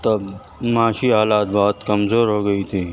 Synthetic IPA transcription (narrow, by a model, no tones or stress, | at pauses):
t̪ɐb | maːʃiɦaːlaːt̪̚bɐɦʊt̪kɐmzoːɾɦoːɡɐit̪ʰiː